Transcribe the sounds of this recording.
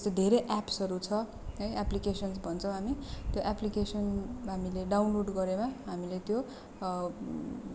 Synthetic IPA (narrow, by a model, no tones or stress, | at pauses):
ʌst̪ʌd̪ʱeɾeʔapsʌɾut͡sʰʌ | ʌjaplikesʌnsbʱʌnt͡sʰʌ̃w̃ɦamit̪joʔaplikesʌnɦamileɖawnloɖɡʌɾemaɦamilet̪jo